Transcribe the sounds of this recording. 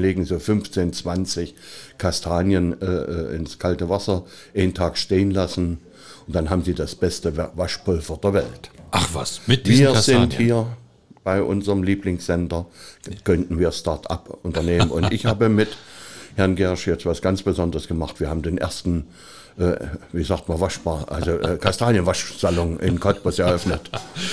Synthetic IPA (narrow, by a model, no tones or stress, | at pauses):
leːɡŋ̩zoːfʏnft͡seːnt͡sv̥ant͡sɪçkʰastʰaːnjənʔɛːʔːʔɪ̰nskʰaltəvasɐ | ʔeɪntʰaːkʃteːənlasn̩ | ʊnd̥anɦaːbm̩ziːdasb̥ɛstəvaʃpʰʊlfɐdeːɐvɛltʔaχva̰smviːɐzɪnthhiːɐ | b̥aɪʔʊ̰nzəʁəmliːplɪŋsz̥ɛndɐkʰœntn̩viːɐstaɐtʔa̰pʔʊntɐneːmənʊ̰ntʔɪçhaːbəmɪthɛɐnɡɛɐʃjɛt͡stv̥asɡ̥ant͡sb̥əzɔndəʁəsɡ̥əmaχtv̥iːɐhaːbm̩deːnʔḛɐstn̩ | ʔɛːviːzaːktmanvaʃb̥aːʔa̰lzoʔɛːkʰastaːljənvaʃz̥alɔŋʔɪ̰nkʰɔt̚b̥ʊsɛɐʔœfnət